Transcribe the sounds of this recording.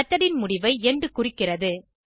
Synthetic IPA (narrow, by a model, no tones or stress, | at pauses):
ɐt̪ːɐɽɪnmʊɽɪʋɐɪɛndrɯkʊrɪkːɪrɐðɯ